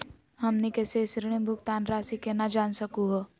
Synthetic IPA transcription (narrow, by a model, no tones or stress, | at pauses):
ɦɐmnikɛːsesɾɽ̃ĩbʱʊkt̪aːnɾaːsikenad͡ʒaːnsɐkuɦo